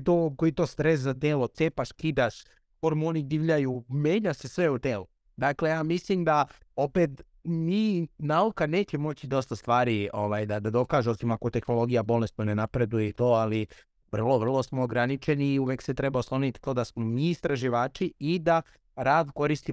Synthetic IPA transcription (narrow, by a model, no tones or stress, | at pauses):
t̪okoit̪o̞ːst̪ɾes̬zat̪eːlo̞t̪sepaʃkid̪aʃ | ko̞ɾmunid̪iːʋʎajume̞ːɲase̞sʋe̞ut̪eːlu | d̪akle̞jaːmislimd̪ao̞pe̞t̪ | miːnaukane̞ːt͡ɕe̞mo̞t͡ɕid̪o̞st̪ast̪ʋaːɾio̞ʋajd̪ad̪ad̪o̞kaːʒuosimako̞t̪e̞xno̞lˠo̞ɡijabo̞lest̪none̞napɾe̞d̪ujeit̪o̞ːali | ʋr̩lˠo̞ʋr̩lˠo̞smoːɡɾanit͡ʃe̞niːuʋekse̞t̪ɾe̞baoslˠo̞nit̪i̥t̪o̞ːd̪asmo̞miːst̪ɾaʒiʋaːt͡ʃiid̪a | ɾaːd̪ko̞ɾist̪i